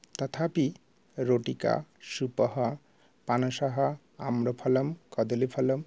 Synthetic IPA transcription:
t̪ɔt̪ʰapi | ɾoʈika̰ʃupɔɦɔ | panɔʃaɦɔ | amɾɔpʰɔlɔmkɔd̪ɔlipʰɔlɔm

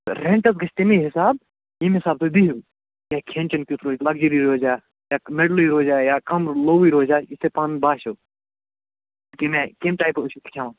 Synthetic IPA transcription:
ɾẽːɳʈɐsɡɐʃt̪emẽɦɪsaːb | jemɦɪsaːb̚t̪ʰoːb̪iɦuː | jaːkʰẽːnʲt͡ʃɐnkʲut̪ɾoːd͡ʒalɐɡd͡ʒiɾiɾoːd͡ʒaː | jaːmeɖliɾoːd͡ʒaːjaːkɐmloːwiːɾoːd͡ʒaːɪsepaːnbaːʃoː | kemẽkemʈaːjpʊʃik̪t͡ʃʰaːʋãː

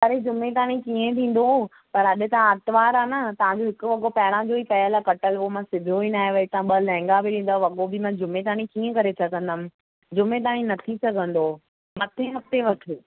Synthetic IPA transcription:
ɐɾed͡ʑʊmet̪aːɽ̃ĩkiẽt̪ʰĩːn̆d̪o | pɐɾɐɗɪ̆t̪ɐʋ̤ãɐt̪ʋaːɾaːnɐt̪ɐʋ̤ãɲd͡ʑoɦɪkʊ̆ʋɐɠopɐɦɪɽãd͡ʑoipɐɦəlakɐʈəloomãsɪb̪ʱoinaːɦeʋɐit̪ɐãɓɐlɛ̃ɦɪ̃ŋɡabɪɗĩːn̆d̪aʋɐɠobɪmãd͡ʑʊmet̪̬aːɽ̃ĩkiːẽkɐɾet͡ɕʰɐkə̃nd̪əm̆ | d͡ʑʊmet̪̬aaːɽ̃ĩnɐt̪ʰisɐɡʱə̃nd̪o | mɐt̪ʰeɦɐft̪eʋɐʈʰe

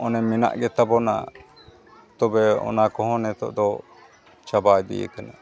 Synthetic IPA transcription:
ɔnɛmɛna̰ʔɡɛt̪abɔna̰ | t̪ɔbɛɔ̰nakɔɦɔ̃nɛt̪ɔ̰ʔd̪ɔ | t͡ʃabajd̪ɛ̰jɛ̰kana

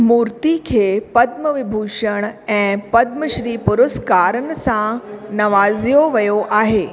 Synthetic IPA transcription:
muːɾt̪ikʰeːpɐd̪̚məʋɪbʱuːʃəɽ̃ɛ̃ːpɐd̪̚məʃɾiːpʊɾəskaːɾənsãnɐʋaːzjoʋɐjoʔaːɦeː

